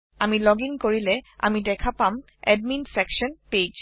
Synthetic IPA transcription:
amilɔɡiŋkoɹilɛa̰midɛkʰapam | ɛd̚minsɛkʃɔnped͡ʒ

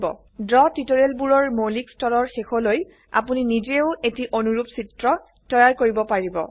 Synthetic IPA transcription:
bɔ̰ | dɹɔtitoɹelbuɹɔɹmolikstɔɹɔɹxexɔloj | a̰puninid͡ʒeʊetiʔonuɹupsitɹɔ | tɔjaɹkoɹibɔpaɹibɔ̰

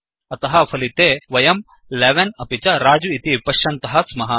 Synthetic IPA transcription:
ɐt̪ɐɦɐpʰɐlit̪eːʋɐjɐm | leʋɐnɐpit͡ʃɐɾaːd͡ʒuit̪ipɐʃːɐnt̪ɐɦɐsmɐɦɐ

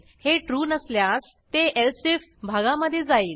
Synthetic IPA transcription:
heʈɾuːnəsljas | t̪eʔelsifbʱaɡãməd̪ʱːjed͡zaiːl

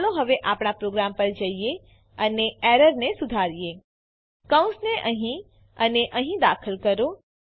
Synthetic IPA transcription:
loɦəʋeʔapɽ̃apɾoɡɾampəɾd͡ʒəije | əneɛɾəɾnesud̪ʱaɾije | kə̃w̃nsneʔəɦĩ | əneʔəɦĩd̪akʰəlkəɾo

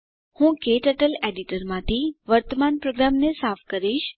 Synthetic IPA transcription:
hũkeʈəʈəleɖiʈəɾmãt̪ʰiʋəɾt̪əmanpɾoɡɾamnesafʰkəɾiʃ

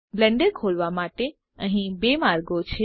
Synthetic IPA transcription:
blə̃ɳɖeɾkʰolʋamaʈe | əɦĩbemaɾɡot͡ʃʰe

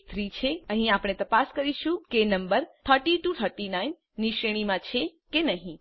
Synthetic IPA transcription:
t̪ʰɾit͡ʃʰeəɦĩapɽ̃et̪əpaskəɾiʃũkenəmbəɾt̪ʰəɾʈiʈut̪ʰəɾʈinainːiʃɾeɽ̃imãt͡ʃʰekenəɦĩ

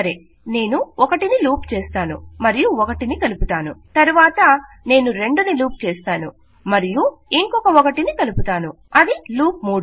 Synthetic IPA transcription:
ɐɾe | ne̞ːnuɔkɐʈiniluːp̚t͡ʃeːst̪aːnṵmɐɾijuɔkɐʈinikɐluput̪aːnṵt̪ɐɾuʋaːt̪ɐ | ne̞ːnuɾe̞ɳɖuniluːp̚t͡ʃɛːst̪aːnu | mɐɾijuiŋkɔkɐɔkɐʈinikɐluput̪aːnu | ɐd̪iluːp̚muːɽu

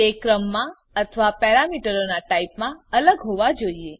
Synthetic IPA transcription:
ekɾəmːã | ət̪ʰəʋapɛɾamiʈəɾonaʈaipmãələɡɦoʋad͡ʒoie

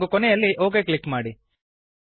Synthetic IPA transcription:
ɡukɔnɛjɐlːiʔo̞ːɡeːkɭikːmaːɽi

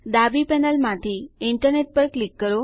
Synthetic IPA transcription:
d̪abipɛnəlmaʈ̪ʰiːiɳʈəɾneʈ̚pəɾklikːəɾo

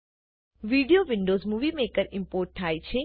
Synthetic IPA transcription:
ʋiːɖijoʋɪɳɖoːzmuʋimeːkəɾɪ̃mpoːɾʈ̚t̪ʰaːjt͡ʃʰe

